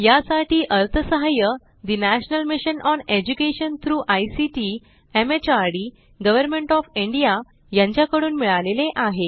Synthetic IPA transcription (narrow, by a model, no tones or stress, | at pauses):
jasaʈiːʔəɾt̪ʰəsəɦajə | d̪inæɕnəlmiɕənɔned͡ʑukeɕənt̪ʰɾuːʔajsiʈi | emet͡ɕaɾɽi | ɡəʋəɾmẽɳʈɔfiɳɖija | jãɲt͡ɕjakəɽuːnmiɭaleleʔaɦe